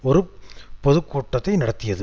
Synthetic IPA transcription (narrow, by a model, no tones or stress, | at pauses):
ɔɾɯpɔðɯkːuːʈːɐt̪ːɐɪnɐɽɐt̪ːɪjɐðɯ